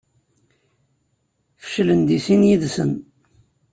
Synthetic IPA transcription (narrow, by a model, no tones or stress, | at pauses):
fə̥ʃlənd̪isinjiðsə̰n